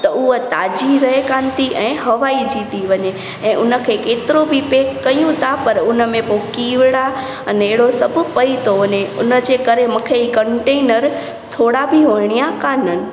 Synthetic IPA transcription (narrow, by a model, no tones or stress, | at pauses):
t̪əuət̪aːd͡ʒiɾəɦekãːnt̪iʔɛ̃ːɦəʋaid͡ʒit̪iʋəɲe | ɛ̃ːʔʊnəkʰekeːt̪ɾobʱipeːkːəjũt̪ʰapəɾʊnəmẽpokiːʋɽa | əneːɽosəbʱpəit̪oʊnẽʊ̰nəd͡ʒekəɾeməkʰeikəɳʈenəɾ | t̪ʰoːɽabʱiʋəɳ̃ijakanən̆